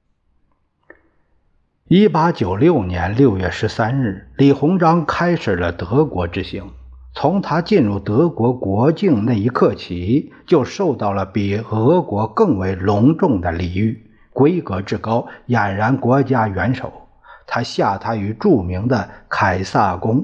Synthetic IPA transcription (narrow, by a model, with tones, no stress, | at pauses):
i˥pa˥t͡ɕjo˨˩ʊljo˥˩ʊnjɛ˧˥nljo˥˧ʊɥɛ˥˩ʂɻ̩˧˥sa˥nɻɻ̩˥˩li˨˩xʊ˧˥ŋʈ͡ʂɑ˥ŋkʰa˥ɪʂɻ̩˨˩lə˦t̪ɤ˧˥kwɔ˧˥ʈ͡ʂɻ̩˥ɕi˧˥ŋ | t͡sʰʊ˧˥ŋt̪ʰa˥t͡ɕi˥˧nɻu˥˩t̪ɤ˧˥kwɔ˧˥kwɔ˧˥t͡ɕi˥˧ŋna˥˩ɪi˧˥kʰɤ˥˩t͡ɕʰi˧˥t͡ɕjo˥˧ʊʂo˥˧ʊt̪ɑ˥˩ʊlə˩pi˨˩xɤ˧˥kwɔ˧˥kɤ˥˩ŋwe˧˥˩ɪlʊ˧˥ŋʈ͡ʂʊ˥˩ŋd̪ə˨li˨˩y˥˩ | kwe˥ɪkɤ˧˥ʈ͡ʂɻ̩˥˩kɑ˥ʊja˨˩nɻa˧˥nkwɔ˧˥t͡ɕja˥ɥɛ˧˥nʂo̰˨˩˦ʊ | t̪ʰa˥ɕja˥˩t̪ʰa˥y˧˥ʈ͡ʂu˥˩mi˧˥ŋd̪ə˧kʰa˨˩ɪsa˥˩kʊ˥ŋ